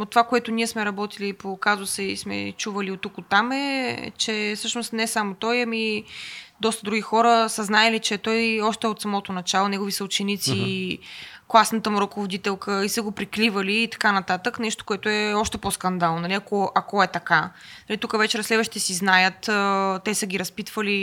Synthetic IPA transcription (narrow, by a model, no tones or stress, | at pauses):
ot̪ːovakoɛt̪ʊniɛsmɛɾɐbɔt̪ilipokazʊsɛismɛ̰t͡ʃuvəliot̪ːukot̪ːamɛt͡ʃɛfsɤʃnost̪nɛsamot̪ɔjɐmi | d̪ɔst̪əd̪ɾuɡixɔɾəsəznaɛlit͡ʃɛt̪ɔjɔʃt̪ɛot̪sɐmɔt̪onɐt͡ʃalˠonɛɡovisəut͡ʃɛnit̪si | klˠasnət̪əmuɾokovod̪it̪ɛlˠkəisəɡopɾiklivəliːt̪ɐ̥kanɐt̪at̪əknɛʃt̪o̥koɛt̪oɛɔʃt̪ɛposkɐnd̪alˠnonɐliɐkoʔɐkoɛt̪ɐkanɐlit̪ukəvɛt͡ʃɛɾɐslɛd̪vəʃt̪it̪ɛsiznajət̪ːt̪ɛsəɡʲiɾɐspit̪vəli